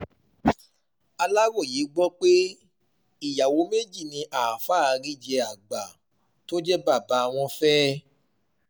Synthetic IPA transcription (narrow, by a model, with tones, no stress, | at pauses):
a˧la˦ɾo˦˨je˨˦ɡ͡bɔ˦k͡pe˦ | i˦˨ja˨wo˨˧˦me˦d͡ʒi˦˨nĩ˧ʔa˨faː˦a˧ɾi˦d͡ʒɛ˧a˨ɡ͡ba˨ | to˦d͡ʒɛ˦ba˦˨ba˧˦˧w̃ɔ̃˧fɛː˦